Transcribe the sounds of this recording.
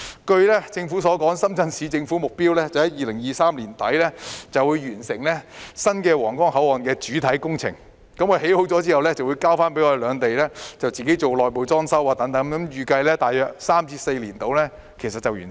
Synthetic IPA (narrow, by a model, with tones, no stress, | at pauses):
kɵ˧ɥlɛː˥t͡sɪ˧ŋfuː˨˥sɔː˨˥kɔː˨˥ŋsɐ˥mt͡sɐ˧nsiː˨˧t͡sɪ˧ŋfu˨˥mʊ˨k̚piː˥wlɛː˥t͡sɐ˨hɐ˨˥jiː˨˩lɪ˨˩ŋjiː˨˧saː˥mliː˨˩nt̪ɐ˨˥jlɛː˥t͡sɐ˨wu˨˧jɥyː˨˩nsɪ˨˩ŋlɛː˥sɐ˥nkɛː˧wɔː˨˩ŋkɔː˥ŋhɐ˨˥wɔː˨˩nkɛː˧t͡ʃyː˨˥t̪ʰɐ˨˥jkʊ˥ŋt͡sʰɪ˨˩ŋ | kɐ˨˥mːwɔː˧jhɦe˨˥ho˨˥wt͡sɔː˨˥t͡siː˥hɐ˨wlɛː˥t͡sɐ˨wu˨˧jkaː˥wfaː˥npe˨˥ŋɔː˧d̪e˧lœː˨˧ŋt̪e˨jlɛː˥t͡sɐ˨wt͡siː˨ke˨˥jt͡so˨wlɔː˨jpo˨˧wt͡sɔː˥ŋsɐ˥waː˨t̪ɐ˨˥ŋt̪ɐ˨˥ŋkɐ˨˥mjyː˨kɐ˧jlɛː˥t̪aː˨jːœː˨˧k̚saː˥mt͡siː˧˥se˧jliː˨˩nt̪o˨wlɛː˥ | kʰe˨˩sɐ˨t̚t͡sɐ˨wjy̰ː˨˩n